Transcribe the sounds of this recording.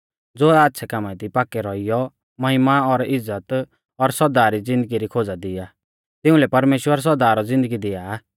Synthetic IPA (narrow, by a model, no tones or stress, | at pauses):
d͡zoːaːt̪ːʃʰɛkamãt̪ipaːkːɛɾɔɪjɔ | mɐɦɪmaɔɾɪzːət̪ | ɔɾsɔd̪aːɾid͡zɪ̃nd̪əɡiɾikʰoːd͡zad̪ɪja | t̪ɪũlɛpɐɾmeːʃwəɾs̬ɔɾd̪aːɾɔd͡zɪ̃nd̪əɡid̪ɪja